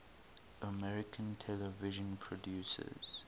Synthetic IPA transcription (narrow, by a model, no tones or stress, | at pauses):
ʔəmɛɹɪkʰə̃ntʰɛlɛvɪʒə̃npʰɹɔdjusə̰z̥